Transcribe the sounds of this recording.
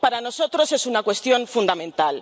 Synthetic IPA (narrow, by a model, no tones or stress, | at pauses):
paɾanosot̪ɾosesunakwe̞st̪jo̞ɱfund̪amẽnt̪al